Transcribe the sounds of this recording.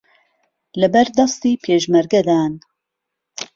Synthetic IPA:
lɐbɛɾd̪ɑst̪iːpʰeːʒmɛɾɡɛd̪aːn

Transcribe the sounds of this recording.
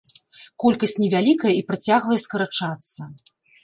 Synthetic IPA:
kɔlʲkɐsʲt͡sʲnʲɛvʲalʲikɐjɐipɾat͡sʲaɣvɐjɛskɐɾat͡ʂat̪sːɐ

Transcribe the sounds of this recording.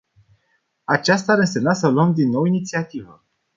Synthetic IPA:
at͡ʃast̪aaɾɨnsemnasəluəmd̪inːo̞winit̪siat̪ivə̰

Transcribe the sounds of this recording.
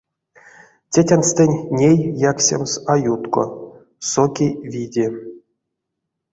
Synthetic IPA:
tʲetʲanst̪enʲnʲejjaksʲḛmsajut̪ko̰ | sokʲijvʲidʲe

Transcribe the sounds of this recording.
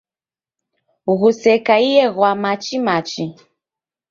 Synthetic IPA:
ɣusɛkaijɛɣwamat͡ʃimat͡ʃi

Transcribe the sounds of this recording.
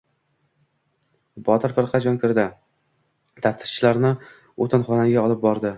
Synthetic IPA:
bɒt̪ʰɪɾfɪɾqʰɑd͡ʒɒnkʲɪɾd̪ɪ | t̪ʰaft̪ʰɪ̥ɾt͡ʃʰɪlaɾnɪ | ot̪ʰɪnχɒnaɡʲaɒlˠɪp̚bɒɾd̪ɪ

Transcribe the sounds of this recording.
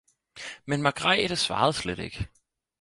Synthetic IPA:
menmɑɡ̥ʁɑɪd̥əsʋɑ̈ːð̞̩ˠsleɾ̥e̝ɡ̥

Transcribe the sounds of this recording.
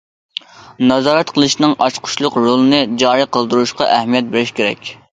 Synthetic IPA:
nɑzɑːɾɛt̪qʰəlˠɨʃnɨŋɑʃqʰʊ̥ʃlˠʊqɾolˠɨnɨd͡ʒɑːɾiqʰəlˠd̪uɾuʃqɑʔɛhmijɛt̪̚beɾɪʃkʲeɾɛ̰kʲ

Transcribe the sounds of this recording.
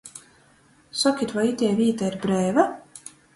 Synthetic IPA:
sɔkʲit̪vajit̪ʲɛːvʲiːt̪aiɾbɾɛːva

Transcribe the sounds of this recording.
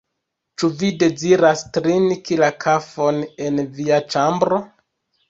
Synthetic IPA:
t͡ʃuvide̞ziɾastɾinkilakʰafo̞ne̞nviat͡ʃambɾo̞

